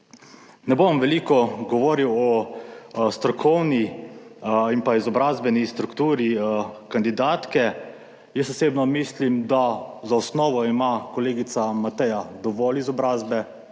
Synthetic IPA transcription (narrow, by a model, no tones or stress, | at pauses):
nɛbomʋɛliːkɔɡɔʋoːɾiwɔ | st̪ɾɔkʰɔwni | impaizɔbɾaːzbɛnist̪ɾukt̪uːɾikand̪id̪aːt̪kɛ | jəsɔseːbnɔmislimd̪azaɔsnɔːʋɔimakɔleːɡit̪samat̪ɛjad̪ɔʋɔlizɔbɾaːzbɛ